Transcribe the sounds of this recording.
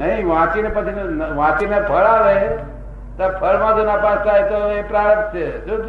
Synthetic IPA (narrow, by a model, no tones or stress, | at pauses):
nəɦĩʋãt͡ʃinepət͡ʃʰinnʋãt͡ʃinebʱəɭaʋe | t̪apʰəɭmãd͡ʒonapasajt̪oepɾaɾət͡ʃʰed͡ʒo